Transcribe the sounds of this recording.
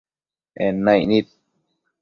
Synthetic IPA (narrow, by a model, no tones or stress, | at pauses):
enːajnit̪̚